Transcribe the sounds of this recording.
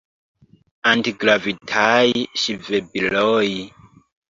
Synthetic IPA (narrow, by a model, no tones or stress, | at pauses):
antiɡɾavitʰajiʃivebiloj